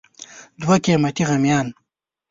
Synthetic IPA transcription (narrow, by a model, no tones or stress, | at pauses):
d̪wakemɐt̪iɣamjɑːn